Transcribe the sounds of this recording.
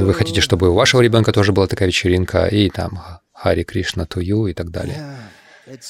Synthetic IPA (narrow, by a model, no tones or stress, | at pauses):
vɨxɐtʲitʲɪʂt̪o̞bɨʊvaʂəvəɾʲɪbʲo̞nkət̪o̞ʐɨbɨlˠat̪ɐkajvʲɪt͡ɕɪɾʲinkʰə̰it̪a̰m | xaɾʲɪkɾʲiʂnət̪ʊjuɪt̪aɡ̚d̪a̰lʲɪ̰jə